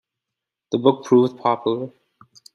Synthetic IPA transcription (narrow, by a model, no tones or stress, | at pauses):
ðəbʊk̚pʰɹ̥uːvð̥pʰɑpʰjl̩ˠə